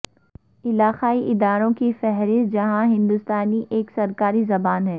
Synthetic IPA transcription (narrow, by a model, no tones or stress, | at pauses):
ɪlaːxaːiʔɪd̪aːɾõkifɛɦɾɪst̪̚d͡ʒɐɦãɦɪ̃nd̪ʊst̪aːniʔeːksɐɾkaːɾizɐbaːnɦɛː